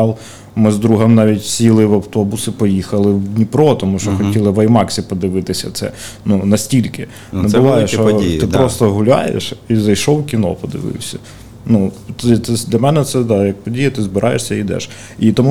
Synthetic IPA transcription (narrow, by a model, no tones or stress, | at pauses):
lˠ | mɪzd̪ɾuɦɐmnɑʋʲitʲsʲilˠɪʋɐwt̪ɔbʊsɪpɔjixɐlˠɪwdʲnʲipɾɔt̪ɔmuʃt͡ʃɔxɔtʲilˠɪʋɐjmɑksʲɪpɔd̪ɪʋɪt̪ɪsʲɐ̰t̪sɛ̰ | nunɐsʲtʲilʲkɪ | nɛbʊʋɑjɛʃɔt̪ɪpɾɔst̪ɔɦʊlʲɑ̰jḛʃizɐjʃɔwkʲinɔ̰pɔd̪ɪ̰ʋɪ̰wsʲɐ | nut̪ɪt̪ɛd̪ʲlʲɐmɛnɛt̪sɛd̪ɑjɐk̚pɔdʲijɛt̪ɪzbɪɾʔɑjeʃsʲɐid̪ɛ̰ʃ | it̪ɔmu